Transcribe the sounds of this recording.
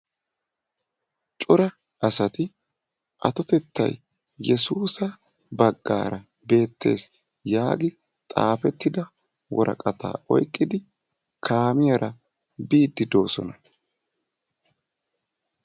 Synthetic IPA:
t͡ʃʼʊɾɐ | ɐsɐt̪ɪ | ʔɐ̰t̪ɔt̪ɛt̪ʰːɐ̰j | jɛsuːsɐ | bɐɡːa̰ːɾɐ | be̞ːt̪ːe̞̰ːs | jaːɡɪ | t̪ʼa̰ːfɛt̪ːɪd̪ɐ | wɔɾɐ̰kʼɐt̪ʰa̰ːɔ̰jkʼːɪd̪ɪ | kʰaːmɪjɐɾʔɐ | biːd̪ːɪd̪o̞ːsɔ̰nɐ

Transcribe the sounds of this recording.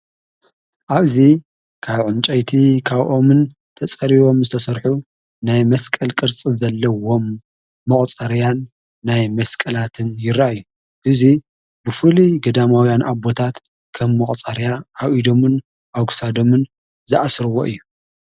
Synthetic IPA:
ʔaβzi | kʰaβʕʊnt͡ʃʼɐjt̪ʰikʰaβʔo̞mɨn | t̪ʰɐt͡sʼɐɾiβo̞mzɨt̪ʰɐsɐɾħu | najmɐskʼɐlkʼɨɾt͡sʼizɐlːɐwo̞mː | ɐkʼt͡sʼɐɾjanː | ajmɐskʼɐlat̪ʰɨnjɪɾajːu | ʔɨzi | bɨfɨliɡɐd̪amawjanʔabo̞t̪ʰat̪ | kʰɐmːɐχʼt͡sʼɐɾjaʔːwʔid̪o̞mɨn | ʔaɡsad̪o̞mɨn | zɨʔasɾɨwo̰ʔɨ̰jːu

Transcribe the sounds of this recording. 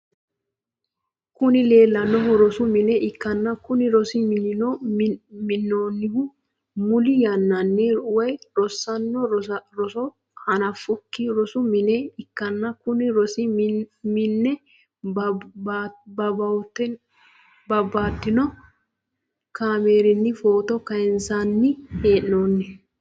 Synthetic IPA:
kʊnɪleːlːɐnːɔɦɔɾɔsʊmɪnɛʔɪkːɐnːɐkʊnɪɾɔsɪmɪnɪnɔ | mɪnːoːnːɪhʊ | mʊlɪjɐnːɐnːiwɐjɾɔsːɐnːɔɾɔsɔ | hɐnɐfʊkːɪɾɔsʊmɪneɪkːɐnːɐkʊnɪɾɔsɪmɪnːɛ | bɐbɐwt̪ːɛ | bɐbːaːt̪ːɪnɔ | kaːmeːɾɪnːɪfo̞ːt̪ɔkɐjɛnsanːɪeːʔnoːnːɛ

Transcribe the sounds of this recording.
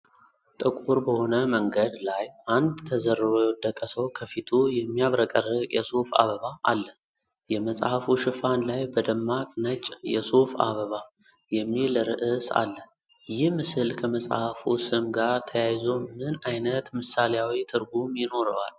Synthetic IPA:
t̪ʼɨkʼuɾbəho̞nəməŋɡəd̪lajʔand̪t̪ʰːəzəɾːɨɾojɛd̪əkʼːəsəwkʰəfit̪ʰujɛmːijaβɾəkʼərɨjʔɛsofa̰βəβaʔalːə | jɛməsʼhafuʃɨfanlajbəd̪əmːakʼnət͡ʃʼjɛsofa̰βəβa | jɛmːiləɾɨ̰ʔɨsa̰lːə | jɪhmɨsɨlkʰəməsʼhafusɨmɡaɾt̪ʰəjajzomɨnajnət̪mɨsaljawit̪ʰɨɾɡumjɪno̞ɾəwa̰l

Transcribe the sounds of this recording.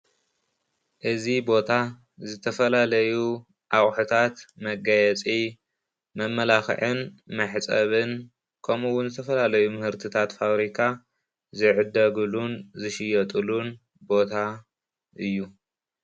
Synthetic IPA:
ʔɨzibo̞t̪ʰa | zɨt̪ʰɐfɐlalɐju | ʔaχʼħut̪ʰat̪mɐɡɐjɛt͡sʼi | mɐmːɐlaxʕɨnmɐħt͡sʼɐβɨn | kʰomuwʊnzɨt̪ʰɐfɐlalɐjumɨhɨɾt̪ʰɨt̪ʰat̪faβɾikʰa | zɨʕɨd̪ɐɡɨlunzɨʃɪjɐt̪ʼɨlun | bo̞t̪ʰa | ʔɨjːu

